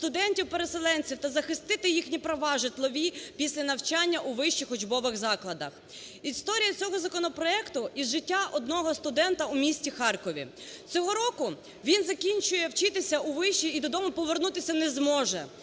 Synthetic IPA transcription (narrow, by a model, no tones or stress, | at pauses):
st̪ʊd̪ɛnʲtʲiwpeɾeselˠɛnʲt͡sʲiwt̪ɐzɐxɪst̪ɪt̪ɪjixnʲipɾɐʋɑʒɪt̪lˠɔʋʲipʲisʲlʲɐnɐwt͡ʃanʲːɐʔuʋɪʃt͡ʃixɔd͡ʒbɔʋɪɣzɑklˠɐd̪ɐx | ist̪ɔɾʲijɐt͡sʲɔɦɔzɐkɔnɔpɾɔɛkt̪ʊizʒɪtʲːaʔɔd̪̚nɔɦɔst̪ʊd̪ɛnt̪ɐumʲisʲtʲixɑrkɔʋʲḭt͡sʲɔɦɔɾɔkʊ | ʋʲinzɐkʲinʲt͡ʃʊjɛwt͡ʃɪt̪ɪsʲɐʔuʋɪʃt͡ʃiid̪ɔd̪ɔmʊpɔʋernut̪ɪsʲɐnɛzmɔʒɛ